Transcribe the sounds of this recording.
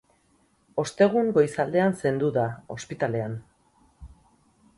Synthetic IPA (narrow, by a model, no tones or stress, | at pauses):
o̞st̪e̞ɣ̞uŋɡo̞jsald̪e̞anse̞nd̪uðao̞̰spit̪ale̞an